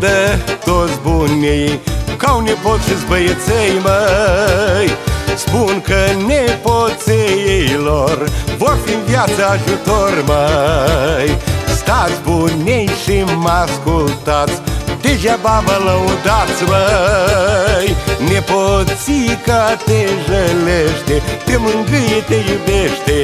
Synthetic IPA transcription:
d̪ət̪otsbunʲejkawnʲepot̪ʃizbəjət͡sejmə | jspunkəneposejejlorvoɾfimvjat̪səːʒut̪oɾmə | jst̪at̪sʲpunʲejʃimaskult̪at̪st̪eʒabamələud̪at̪smə | jneposikat̪eʒəleʃt̪et̪emɨŋɡɨjet̪ejubeʃt̪e

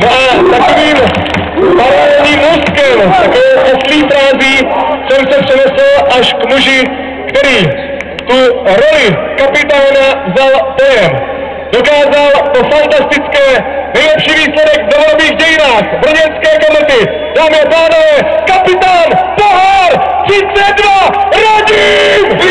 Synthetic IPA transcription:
noʔat̪akoviːm | paɾoɛɲiːmuskɛmt̪akovɛwʔosliːfɾaːziːsɛmsɛpr̥ɛnɛslʔaʃkmuʒɪ | kt̪ɛɾiː | t̪uɾo̞lɪkapɪt̪aːnavzalpo̞jɛm | do̞kaːzalt̪ofant̪ast̪ɪt͡skɛː | nɛjlɛpʃiːviːslɛdɛɡnovolbiːɣɟɛjɪnaːxvr̩ɲɛnskɛːkomɛt̪ɪ | d̥aːmɪapaːnovɛːkapɪt̪aːnpoɦaɾt̪r̥ɪt͡sɛt̪̚dvaɾaɟiː

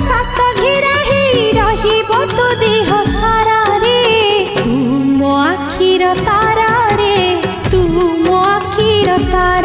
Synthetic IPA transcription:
sʰat̪ɔɡʱiɾaɦiɾɔɦibɔd̪ʱud̪iɦɔsaɾaɾet̪umɔakʰiɾɔt̪aɾaɾe | t̪umɔakʰiɾɔt̪aɾa

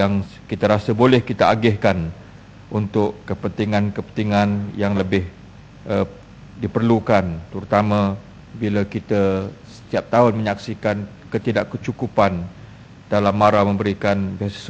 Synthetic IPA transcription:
aŋ | kit̪aɾasəbolɛhkit̪aaɡɪhkan | ʔunt̪ʊʔkəpənt̪iŋankəpənt̪iŋanjaŋləbɪh | ʔə | dipərlukant̪əɾut̪amã | bilakit̪əsə̥t̪iap̚t̪aʊnmə̃ɲaksikan | kət̪idaʔkət͡ʃukupan | d̥alamːaɾamə̃mbəɾikanbiass

